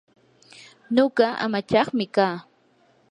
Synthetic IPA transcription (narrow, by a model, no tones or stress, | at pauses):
noɢɑa̰mat͡ʃɑχmɪkaː